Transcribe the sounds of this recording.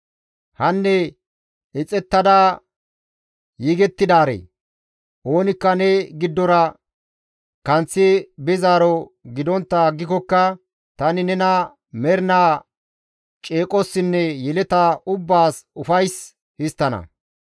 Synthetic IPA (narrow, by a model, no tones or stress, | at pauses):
hɐnːɛ | ɪt͡sʼɛt̪ːɐd̪aː | jiːɡɛt̪ːɪd̪aːɾḛː | ʔo̞ːnɪkːɐnɛɡɪd̪ːɔɾɐ | kɐnt͡sːɪbɪzaːɾɔɡɪd̪ɔnt̪ːɐɡːɪkɔkːɐ | t̪ɐnɪnɛnɐ | mɛɾnaː | t͡ʃʼeːkʼɔsːɪnːɛjɛlɛt̪ɐʊbːaːsʊfɐjs | hɪst̪ːɐnɐ̰